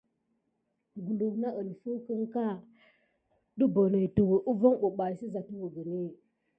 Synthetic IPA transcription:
ɡu˨lu˨na˦ʔə˨n˨fu˦kə˦ŋka˦ | ɗu˦bo˨ne˨tu˨wə˨ʔu˦vo˦ŋɓu˨ɓa˨si˦za˨tu˦wu˨ɡə˨ni˦

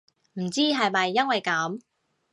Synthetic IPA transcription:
m̩˨˩t͡siː˥ɦɐ˨jmɐ˨jːɐ˥nwɐ˨jkɐ˨˥m

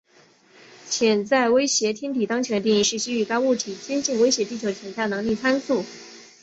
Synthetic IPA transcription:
t͡ɕʰjɛ˨˩nt͡sa˥˩ɪwe˥ɪɕjɛ˧˥t̪ʰjɛ˥nt̪ʰi˨˩t̪ɑ˥ŋt͡ɕʰjɛ˧˥n̬˧i˥˧ŋi˥˧ʂɻ̩˥˩t͡ɕi˥y˥˩ka˥ɪu˥˩t̪ʰi˨˩t͡ɕɛ˥nt͡ɕi˥˩ŋwe˥ɪɕjɛ˧˥t̪i˥˩t͡ɕʰjo˧˥ʊt͡ɕʰjɛ˨˩nt͡sa˥˩nɤ˧˥ŋli˥˩t͡sʰa˥nsu˥˩

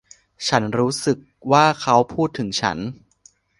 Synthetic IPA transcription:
t͡ɕʰa˦˥nɾuː˦˥sɯ˨˩k̚waː˥˩kʰa˦˥wpʰuː˥˩t̪ʰːɯ˩˦ŋt͡ɕʰa̰˦˥n

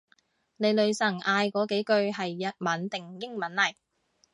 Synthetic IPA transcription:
ne˨˧jlɵ˨˧ɥsɐ˨˩ŋʔaː˧jkɔː˨˧˥ke˨˥jkɵ˧ɥɦɐ˨jːɐ˨t̚mɐ˨˥nt̪ɪ˨ŋjɪ˥ŋmɐ˨˥nlɐ˨˩j

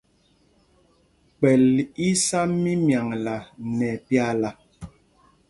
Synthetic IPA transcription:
k͡pɛ˨li˦sa˦mːi˦mja˨ŋla˨nɛ˨pja˦˨la˨

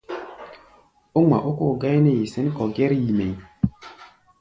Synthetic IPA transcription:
o˦ŋ͡ma̰˨ʔo˦ko˦˨ɡa˦jne˦˨ji˨sɛ˦n˦kɔ˨ɡɛ˦ɾji˨me˨j

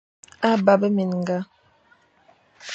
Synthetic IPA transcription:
a˦ba˦bə˦mi˨nŋ˨ɡa˦

